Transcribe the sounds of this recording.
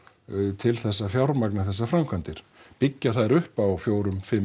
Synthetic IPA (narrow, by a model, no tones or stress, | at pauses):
t̪ʰɪlθɛsːafjawɾmaknaθɛs̬ːafɾamkʰant̪ɪɾ̥ | pɪcːaθaðɾʏhpawfjoːwɾʏmfɪm